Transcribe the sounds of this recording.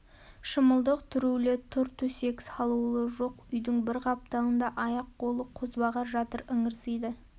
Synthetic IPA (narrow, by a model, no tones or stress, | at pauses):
ʃəməlˠd̪əqt̪ʰʏɾulɪt̪ʰʊɾt̪ʰɵse̞ksɑlˠulˠəʒo̞qʏjd̪ɪŋbɪɾqʰɑp̚t̪ɑənd̪ɑʔɑjɑq̚bo̞lˠəqʰozbɑʁɑʒɑt̪əɾɪŋɪɾsijd̪ɪ